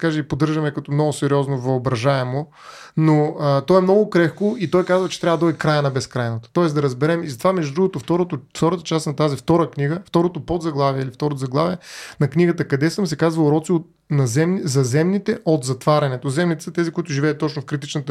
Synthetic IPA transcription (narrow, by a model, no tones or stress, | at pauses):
kaʒɛipod̪əɾʒɐmɛkɐt̪ɔmnɔɡʊsɛɾiɔznovɐobɾɐʒaɛmo | noət̪ɔɛmnɔɡʊkɾɛxkʊit̪ɔjkazvɐt͡ʃɛ̥t̪ɾʲavəd̪ɔkɾajənɐbɛskɾajnɐt̪o̥t̪ɔɛsd̪ɐɾɐzbɛɾɛmizɐt̪ovamɛʒd̪ud̪ɾuɡot̪oft̪ɔɾot̪ʊft̪ɔɾət̪ət͡ʃast̪nɐt̪azift̪ɔɾəkniɡəft̪ɔɾot̪opod̪zɐɡlˠaviɛilift̪ɔɾot̪ʊzɐɡlˠaviɛnɐkniɡət̪əkɐd̪ɛsəmsɛkazvɐlˠɾɔt̪siot̪ | nɐzɛmnizɐzɛmnit̪ɛʔot̪zɐt̪vaɾʲɐnɛt̪ozɛmnit̪ɛ̥sət̪ɛzikʊit̪ʊʒivɛːt̪ːɔt͡ʃnofkɾit̪it͡ʃnət̪ə